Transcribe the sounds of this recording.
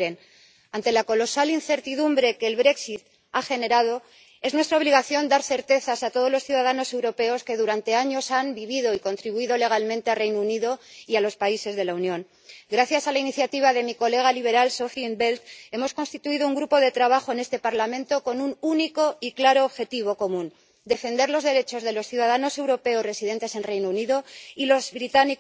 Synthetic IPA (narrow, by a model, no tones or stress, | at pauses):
ɾen | ant̪e̞lako̞lo̞salinθe̞ɾt̪iðumbɾeke̞ːlβɾe̞ksit̪ | axe̞ne̞ɾað̞o̞ | e̞znwest̪ɾao̞βliɣaθjo̞nd̪aɾθe̞ɾt̪e̞θasat̪oð̞o̞zlo̞sθjuðaðano̞se̞wɾo̞pe̞o̞ske̞ðuɾant̪e̞aɲo̞sambiβiðo̞iko̞nt̪ɾiβuiðo̞le̞ɣ̞almẽnt̪ealrejnouniðo̞ialo̞spaise̞zðe̞launjõ̞ŋ | ɡɾaθjasalainiθjat̪iβ̞aðe̞miko̞le̞ɣ̞aliβ̞e̞ɾalso̞fimbe̞lt̪e̞mo̞sko̞nst̪it̪uiðouŋɡɾupo̞ðe̞t̪ɾaβaxo̞ene̞st̪e̞paɾlamẽ̞nt̪o̞ko̞nununiko̞iklaɾo̞ːβxe̞t̪iβ̞o̞ko̞mũn | d̪e̞fe̞nd̪e̞ɾlo̞zðe̞ɾe̞t͡ʃo̞zðe̞lo̞sθjuðað̞ano̞se̞wɾo̞pe̞osre̞siðe̞nt̪e̞se̞nrejnouniðo̞ilo̞zβɾit̪ani